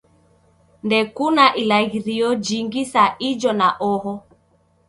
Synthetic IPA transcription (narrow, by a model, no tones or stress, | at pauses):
ndɛkunaʔilaɣiɾiɔd͡ʒiŋɡisaʔid͡ʒɔnaʔɔɦɔ